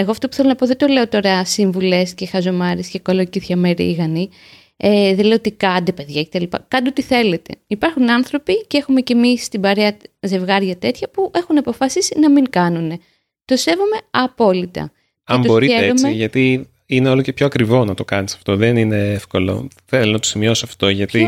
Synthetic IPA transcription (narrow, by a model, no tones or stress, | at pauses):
e̞ɣoɐft̪o̞pu̥θe̞lonɐpo̞ðe̞nd̪o̞le̞o̞t̪o̞ɾɐsiɱvule̞sce̞xɐzo̞mɐɾiscekolociθçɐmeɾḭɣɐni | eðeleoot̪ikɐd̪epe̞ðʝɐce̞t̪ɐlipɐ̰kɐnd̪ot̪iθe̞le̞t̪e̞̰ipɐɾxunɐnθɾo̞picee̞xume̞ce̞mist̪ibɐɾeɐze̞vɣɐɾʝɐt̪e̞t̪çɐpuʔe̞xunɐpo̞fɐsisinɐmiŋkɐnune̞ | t̪o̞se̞vome̞ɐpo̞lit̪ɐ̰ | ɐeɐmuboɾieɾomeʝɐt̪i | ineo̞locepçoɐkɾivo̞nɐt̪o̞kɐnisɐ̥ft̪o̞ðenine̞efko̞lo̞̰θelonɐt̪osimio̞siɐft̪o̞ʝɐt̪i